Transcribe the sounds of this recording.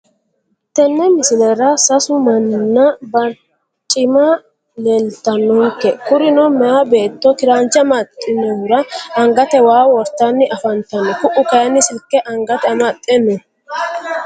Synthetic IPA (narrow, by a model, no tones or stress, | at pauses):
t̪ɛnːɛmɪsɪlɛɾɐsɐsʊmɐnːɐbɐɾ | t͡ʃʼɪmɐ | lelt̪ːɐnːɔŋkːɛkʊɾɪnɔmɛjabe̞ːt̪ːɔkɪɾaːnt͡ʃːɐmɐt̪ʼːɪnːɛhʊɾɐɐŋɡɐt̪ɛwaːwɔɾt̪ːanːɪʔɐfɐnt̪ɐnːɔkʊʔʊkɐjɐnːɪsɪlkːɛʔɐŋɡɐt̪ɛɐmɐt̪ʼːɛnːɔ